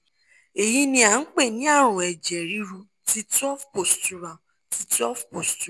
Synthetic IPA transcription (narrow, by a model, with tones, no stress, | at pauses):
e˨ji˦nĩ˧˦a˨n̩˦k͡pe˦˨nĩ˨˦a˦˨ɾ̃ũ˨ɛ˨d͡ʒɛ˨ɾi˦ɾu˧ | ti˦tɔ˦fpo˨stu˦ɾa˨ | ti˧˦tɔ˦fpo˨stu˦